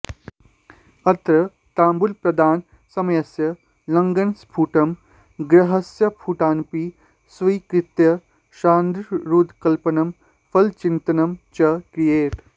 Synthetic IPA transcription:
ɐt̪ɾɐ | t̪aːmbulpɾɐd̪aːn | sɐmɐjɐsjɐ | lɐŋɡɐnspʰuːʈɐm | ɡɾɐɦɐsjɐpʰuːʈaːnpi | sʋɐjkɾit̪jɐ | ʃaːnd̪ɾɾuːd̪kɐlpɐnɐm | fɐlt͡ʃint̪ɐnɐmt͡ʃɐkɾijeːʈ

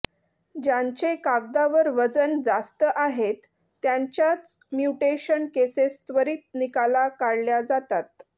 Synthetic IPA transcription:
d͡ʑaɲt͡ɕekaɡd̪aʋəɾʋəd͡zənd͡zast̪əʔaɦet̪ː | jaɲt͡ɕjat͡smjuʈeɕənkesest̪ʋəɾiːt̪̚nikalakaɽljad͡zat̪at̪̚

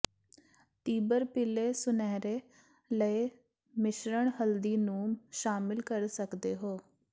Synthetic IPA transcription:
t̪iːbəɾpɪleːsʊnɛːɾeː | ləe | mɪʃɾəɳ̃ɦəld̪iːnũːmʃaːmɪlkəɾsəkd̪eːɦoː

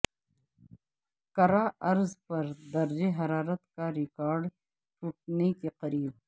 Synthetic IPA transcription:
kɐɾaɐɾzpɐɾd̪ɐɾd͡ʒeɦɐɾaːɾɐt̪kaɾɪkaːɾɖ | ʈuʈ̚nekiqɐɾiːb̚

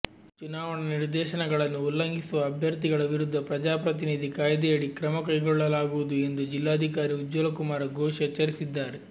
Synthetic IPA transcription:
t͡ʃunaːʋɐɳɐniɾd̪ɛːʃɐnɐɡɐɭɐnːuulːɐŋɡisuʋɐːbʱjɐɾt̪iɡɐɭɐʋiɾud̪ʱːɐpɾɐd͡ʒaːpɾɐt̪̬inid̪ʱikaːjɐd̪ɛjɐɽikɾɐmɐkɐjɡɔɭːɐlaːɡuʋud̪ue̞nd̪ud͡ʒilːaːɐd̪ʱikaːɾiud͡ʒːolɐkumaːɾɐɡoːʃɐt͡ʃɐɾisid̪ːaːɾe

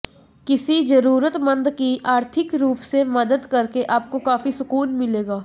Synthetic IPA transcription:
kɪsid͡ʒɐɾuːɾət̪mɐ̃nd̪kiʔaːɾt̪ʰɪkɾuːpsemɐd̪əd̪kɐɾkeʔaːp̚kokaːfisʊkuːnmɪleːɡaː

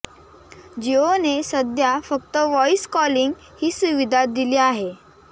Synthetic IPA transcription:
d͡ʑionesəd̪ʱjafəkt̪əʋɔiskɔliŋɡ | hiːsuʋid̪ʱat̪̚d̪iliaɦe

